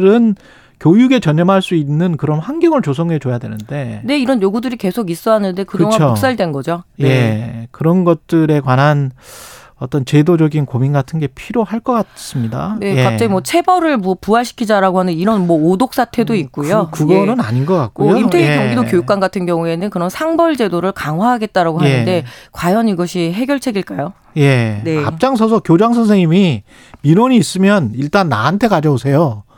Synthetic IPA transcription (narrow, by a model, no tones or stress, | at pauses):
ɾɯn | kjojuɡe̞t͡ɕʌɲːʌmɦaɭs͈uinːɯnkɯɾʌnɸanɡjʌŋɯɭt͡ɕosʰʌŋɦe̞t͡ɕojadwe̞̰nɯnde̞ne̞iɾʌnjoɡudɯɾike̞sʰoɡis͈ʌɦanɯnde̞kɯoŋaooks͈aɭidwe̞nɡʌd͡ʑojekɯɾʌnɡʌt̚t͈ɯɾe̞kwanɦan | ʌt͈ʌnt͡ɕe̞dod͡ʑʌɡinkominɡatʰɯnɡe̞pʰiɾjohaɭk͈ʌk͈as͈ɯmɲida̰neekat͡ɕ͈aɡimwʌt͡ɕʰe̞bʌɾɯɭmʌpuaɕʰi̥kʰid͡ʑaɾaɡoɦaneiɾʌnmwʌodok̚s͈ʰatʰe̞doik̚k͈ujokɯɡʌnɯnaɲinɡʌk͈ak̚k͈ojoimtʰeikoŋɡidokjojuk͈wanɡatʰɯnɡjʌŋue̞nɯnkɯɾʌnsʰaŋbʌɭd͡ʑe̞doɾɯɭkaŋɦwaɦaɡe̞t̚t͈aɾaɡoɦaenɯde̞kwajʌniɡʌɕʰiɦe̞ɡjʌɭt͡ɕʰe̞ɡiɭk͈ajo | je̞ne̞kap̚t͡ɕ͈aŋsʰʌsʰʌkjod͡ʑaŋsʰʌnsʰeŋɲimi | minoɲiːs͈ɯmjʌniɭt͈anːaantʰe̞kad͡ʑʌbosʰe̞jo